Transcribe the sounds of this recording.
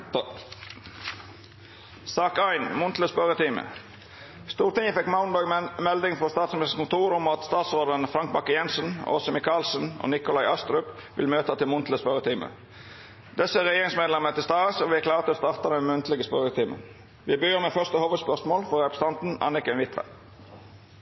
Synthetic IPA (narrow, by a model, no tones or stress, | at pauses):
sɑːkæɪnmʊnt̪ʰləspœʁət̪ʰiːmə̰ | st̪uːʁt̪ɪŋəfɛkmɑʊnb̪ɑɡmɛld̪ɪŋfɔst̪ɑːt̪smɪmɪst̪əkʊnt̪ʰuːɾʊmɑt̪st̪ɑːt̪sʁoːd̪ənfɾɑŋk̚bɑkːəjɛnsənɔ̰sɔmɪkɑːlsəno̰ːnɪkʊlɑɪɑst̪ɾœpʋɪ̰lmøːt̪ɑt̪ɪlmʊnt̪ʰləspœʁət̪ʰiːmə̰ | d̪̥ɛsəæʁɛjeːʁɪŋsmeːd̪lɛmət̪ɪlst̪ɑːəsoʋɪækʰlɑːʁt̪ʰɪlost̪ɑːʁt̪ɑd̪ɛnmʉnt̪lɪɡəspœʁət̪ʰiːmə̰n | ʋɪːbyːʁmeːfœʁst̪əhoːʋəd̪spœʁsmoːlfɔʁʁɛpɾə̥sɑnt̪n̩ɑ̰nɪkənʋɪt̪ʰʋə̰